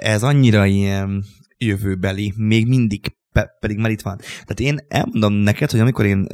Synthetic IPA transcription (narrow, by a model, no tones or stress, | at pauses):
ɛzɒɲːiɾɒijɛn | jøvøːbɛlimeːɡmind̪iɡ̥ | pɛpɛd̪iɡmaːɾit̪ʋɒnt̪ɛːt̪eːnʔɛ̰lmo̞nd̪o̞mnɛkɛt̪hoɟɒmiko̞ɾeːn